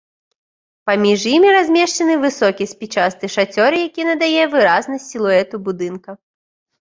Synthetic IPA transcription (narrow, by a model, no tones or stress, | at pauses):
pamʲiʐjimʲiɾazʲmʲɛʂt͡ʂɐnɨvɨsɔkʲisʲpʲit͡ʂast̪ɨʂat͡sʲɔɾɨjakʲinɐd̪ajɛvɨɾaznɐsʲtʲilˠuɛt̪ubud̪ɨnkɐ